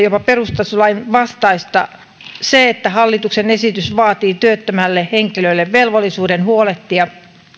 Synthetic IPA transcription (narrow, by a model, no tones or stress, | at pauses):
jopɑperust̪ɑsulɑinʋɑst̪ɑist̪ɑ | seet̪ːæhɑlːit̪uksenesit̪ysʋɑːt̪iːt̪yøt̪ːømælːeheŋkiløilːeʋʋelʋolːˑisuːdenhuoleht̪ːijɑ